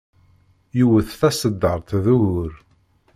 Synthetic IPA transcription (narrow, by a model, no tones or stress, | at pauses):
juwəθθæsəd̪ːəɾˤt̪ðuʝʊɾ